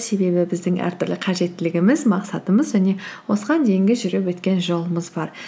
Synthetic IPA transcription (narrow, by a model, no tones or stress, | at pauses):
se̞be̞bɪbɪzd̪ɪŋʔæ̰ɾt̪ʰʏɾlɪqʰɑʒe̞t̪ːɪlɪɡʲɪmɪzmɑqsɑt̪əməzʒæne̞wo̞səʁɑnd̪e̞jɪŋɡʲɪʒʏɾepwɵt̪kʲe̞nʒo̞lˠəməzbɑɾ